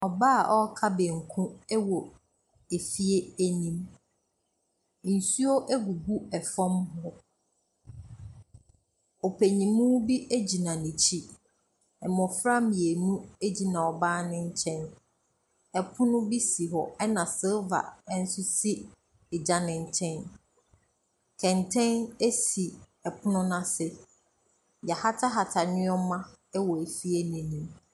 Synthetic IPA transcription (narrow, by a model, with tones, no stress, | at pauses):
ɔ˨baː˦a˨ʔɔ˦kʰa˦bɛ˨ŋ̩˨kʰũ˦ɛ˦wɔ˨ | e˨fi˦e˦æ˦nĩ˨m | n̩˨su˦o˦ʔæ˦ɡu˨ɡu˦ɛ˨fɔ̃˦mɦʊ̃˦ | ɔ˨pʰæ˨ɲĩ˨mũ˦bi˦ʔe˦d͡ʑi˨nã˨nĩ˨t͡ɕʰi˦ | ɛ˨mɔ̃˨fɾã˦mje˨nũ˦e˦d͡ʑi˦nã˨ɔ˨baː˦nɪ̃˦ɲ̩˦t͡ɕʰɛ̃˦n | ɛ˨pʰʊ̃˦nʊ̃˦bi˦si˨ɦɔ˨ɛ˦nã˨sɪ˦lva̰˨˦n̩˦sʊ˦si˦ | ɪ˨d͡ʑa˦nɪ̃˨ɲ̩˦t͡ɕʰɛ̃˦n | tʰɛ̃˨ntʰɛ̃˦ne˦si˨ | ɛ˨pʰʊ̃˦nʊ̃˦nã˦sɪ˦ | ja˨ha˦tʰa˦ɦa˨tʰa˨ɲɪ̃˦ɔ˦mã˦ɛ˦wɔ˨e˨fi˦e˦nĩ˨nĩ˨m